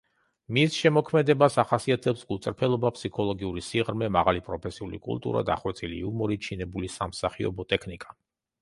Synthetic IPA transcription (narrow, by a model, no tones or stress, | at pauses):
misʃɛmɔkʰmɛd̪ɛbasaχasiat̪ʰɛpsɡut̪sʼɾpʰɛlˠɔbapʰsikʰɔlˠɔɡiuɾisiʁɾmɛmaʁalipʼɾɔpʰɛsiulḭkʼṵlt̪ʼṵɾa̰d̪a̰χwɛt̪sʼilḭumɔɾit͡ʃʰinɛbulisamsaχiɔ̰bɔt̪ʼɛkʰnikʼa